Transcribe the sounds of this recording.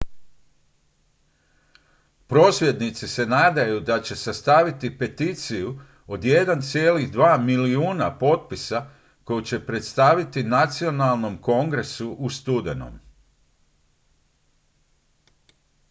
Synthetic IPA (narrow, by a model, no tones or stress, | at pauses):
pɾo̞ːsʋje̞d̪nit̪sise̞naːd̪ajud̪at͡ɕe̞sast̪aʋit̪ipe̞t̪it̪siju | o̞d̪je̞d̪ant̪sje̞ːliɣd̪ʋaːmiliuːnapo̞t̪̚pisa | ko̞jut͡ɕe̞pɾe̞t̪st̪aʋit̪inat̪sio̞nalˠno̞mko̞ŋɡɾe̞suʔust̪ud̪eno̰m